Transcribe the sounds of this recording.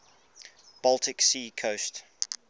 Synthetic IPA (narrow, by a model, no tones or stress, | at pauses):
b̥ɒlˠtʰɪksiːkʰoʊst